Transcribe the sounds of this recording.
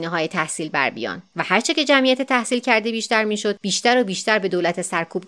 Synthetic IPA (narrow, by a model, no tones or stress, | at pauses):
neɦɒːjet̪ʰæhsiːlbæ̰ɾbḭjɒ̰ːnvæhæɾt͡ʃʰece̞d͡ʒæmijæt̪et̪ʰæhsiːlcʰæɾd̪ebiːʃt̪æɾmiːʃo̞d̪̚biːʃt̪æɾobiːʃt̪æɾbed̪oːlæt̪ʰe̞sæɾkʰuːb̥